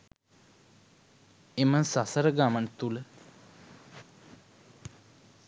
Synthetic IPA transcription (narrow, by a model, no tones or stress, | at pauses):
emənsasəɾəɡaməɳt̪ulə